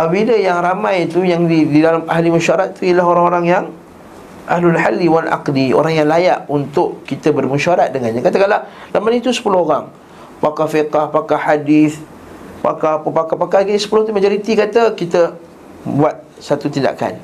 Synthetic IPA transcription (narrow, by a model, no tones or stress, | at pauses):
biləjaŋɾamãjt̪ujaŋididalamʔaɦlimunʃaaɾat̪̚t̪ujəlaɦoɾaŋoɾaŋjaŋ | ʔa̰hlalħalːiwalʔa̰qdio̰ɾaŋjaŋlaja̰ʔunt̪ʊʔkit̪əbərmunʃaaɾat̪̚dəŋanɲãkat̪akalalamanit̪usə̥pulʊhoɾaŋ | pakafiqahpakahadiθ | pa̰kapəpakapakakisə̥pulʊht̪umad͡ʒoɾit̪ikat̪əkit̪ə | buat̪̚ | sat̪ut̪inda̰ka̰n